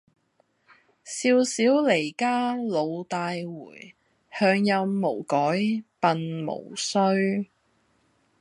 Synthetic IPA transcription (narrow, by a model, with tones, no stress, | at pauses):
siː˧wsiː˨˥wle˨˩jkaː˥lo˨˧wt̪aː˧jwuː˨˩j | hœː˧ŋjɐ˧wmo˨˩wkɔː˨˥jpɐ˨nmo̰˨˩wsɵ˥ɥ